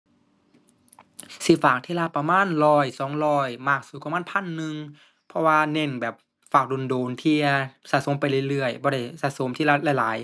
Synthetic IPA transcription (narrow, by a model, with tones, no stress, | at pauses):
si˧˩faː˨˩k̚t̪ʰiː˧laː˧pa˧maː˧˥˨nlɔː˧˩jsɔː˨˦ŋlɔː˧˩jmaː˧˩k̚suː˧˩kwa˧˨maː˥˨npʰa˧˥˨nːɯ˧ŋ | pʰɔ˧waː˧ne˧˥˩nbɛː˨˩p̚ | faː˨˩k̚do˧˨ndoː˨˩nt̪ʰi˧˩ɐsaː˧˥so˨˦mpa˧˨jlɯ˧˩˨jlɯ˧˩əjbɔː˧˦ɾa˧˩jsaː˧˥so˨˦mt̪ʰiː˧˨laː˧˩la˧˩jlaː˨˩˦j